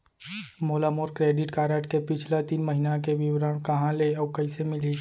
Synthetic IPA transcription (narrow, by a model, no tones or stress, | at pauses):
moːlamoːɾkɾeːɖɪʈkaːɾəʈkepɪt͡ʃʰlat̪iːnməɦinakeʋɪwɾəɳ̃kɐɦãleɔːkɐɪsemɪli